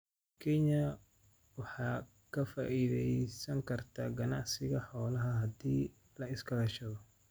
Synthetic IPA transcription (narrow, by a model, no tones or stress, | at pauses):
kʰɛɲɐ | wɑħɑː | kʰɐfaːʔiðɛjsɐŋkʰɐrt̪ʰaːɡɐnɑʕsɪɣɐħɔːlɐɦɐɦɐd̪iː | lɐɪskʰɐlɐʃɐɣɔ